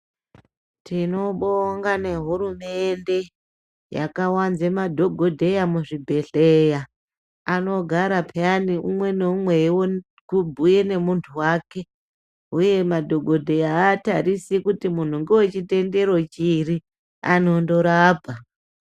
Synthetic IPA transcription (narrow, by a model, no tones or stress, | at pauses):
tino̞ɓoŋɡane̞ɦuɾume̞nde̞ | ja̰kawanzemadʱo̞ɡʱo̞dʱe̞jamuʐibʱe̞ɬe̞ja | ano̞ɡʱaɾapʰaniʔumwe̞neumwe̞wo | kubʱuje̞ne̞muntʰuwaːke̞ | uje̞madʱo̞ɡʱo̞dʱe̞jaːtaɾisikutimun̤uŋɡewet͡ʃite̞nde̞ɾo̞t͡ʃiri | ano̞ndo̞ɾaːbʱa